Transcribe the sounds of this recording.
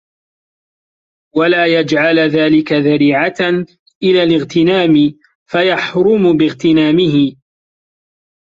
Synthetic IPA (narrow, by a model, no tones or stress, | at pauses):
walaːjad͡ʒʕalðaːlɪkaðaɾiːʕat̪an | ʔɪlaːlɪɣt̪ɪnaːmɪ | fajɑħɾʊmʊbɪɣt̪ɪnaːmɪhɪ